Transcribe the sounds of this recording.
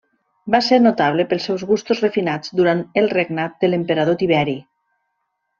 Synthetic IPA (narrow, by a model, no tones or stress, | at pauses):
baseɾnot̪aβ̞lepəlˠsɛwzɣust̪uzrefinad͡zd̪uɾanəlˠreɡnat̪̚d̪əlempeɾað̞ot̪iβ̞ɛɾi